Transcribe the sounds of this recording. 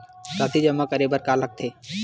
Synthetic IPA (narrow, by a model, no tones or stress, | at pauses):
saːt̪ʰid͡ʒɐmːakəɾebəɾkaːlək̚t̪ʰeː